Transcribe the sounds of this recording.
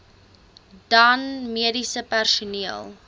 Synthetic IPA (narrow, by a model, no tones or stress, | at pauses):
dɐnmiədisəpærsuniəlˠ